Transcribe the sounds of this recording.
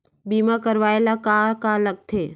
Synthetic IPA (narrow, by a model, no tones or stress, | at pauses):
biːmakəɾʋaːelakakalɐɡ̚t̪ʰeː